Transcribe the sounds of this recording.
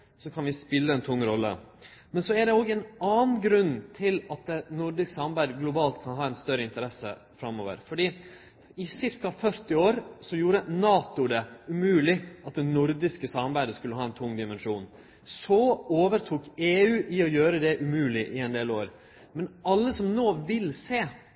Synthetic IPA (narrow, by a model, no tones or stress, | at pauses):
sɔkʰɑnʋɪspɪlːəɛnt̪ʰʊŋːɾɔlːə̰mɛnsɔæɖɛoːɡɛnɑːnn̩ɡɾʉnːt̪ʰɪlɑt̪̚d̪ɛnʊɾd̪ɪsksɑmɑbæɪd̪əɡlʊbɑːlt̪̚kʰɑnɦɑːɛnst̪œɾəɪnt̪əɾɛsə̰ | fɾɑmo̰ːʋə̰ɾfɔɖiː | ɪsɪɾkɑfœɾt̪ɪoːɾsɔjuːɾənɑːt̪ʊd̪ɛʉmʉːlɪɑt̪̚d̪ɛnʊɾd̪ɪskəsɑmɑɾbæɪd̪əskʉlːəɦɑːɛnt̪ʰʊŋːd̪ɪmɛnʂuːn | sɔoːʋəɾt̪ʰuːkeːʉːʔɪɔjøːɾəd̪ɛʔʉmʉːlɪʔɪɛnd̪eːloːɾ | mɛnɑlːəsɔmnoːʋɪlseː